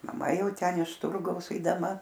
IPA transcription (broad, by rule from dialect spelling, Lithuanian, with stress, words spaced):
mɐˈmɐ ˈjɛʊ ˈtʲɛn ɪʃ ˈtʊrɡɐʊs ɛɪdɐˈmɐ